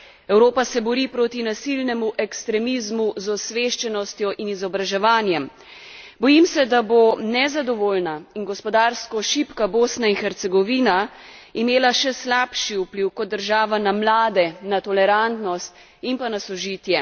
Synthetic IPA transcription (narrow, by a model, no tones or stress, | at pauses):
ɛwɾoːpasɛbɔɾipɾot̪inasilnɛmuʔɛkst̪ɾɛmizmuzɔsʋeːʃt͡ʃɛnɔst̪jɔʔinizɔbɾaʒɛʋaːnjɛm | bɔjimsɛd̪abonɛzad̪ɔʋoːlnainɡɔspɔd̪aːɾskɔʃipkaboːsnainxɛɾt̪sɛɡɔʋiːnaimeːlaʃɛslapʃiupliwkɔtd̪̚ːəɾʒaːʋanamlaːd̪ɛnat̪ɔlɛɾant̪nɔst̪ | impanasɔʒiːt̪jɛ